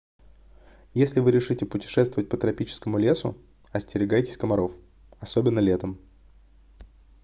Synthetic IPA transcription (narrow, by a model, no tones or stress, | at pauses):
jesʲlʲɪvɨɾʲɪʂɨtʲɪpʊtʲɪ̥ʂɛst̪vəvət̚ʲpət̪ɾɐpʲit͡ɕɪ̥skəmʊlʲe̞sʊ̰ | ɐsʲtʲɪɾʲɪɡajtʲɪ̥sʲkəmɐɾo̞f | ɐsobʲɪnːəlʲet̪əm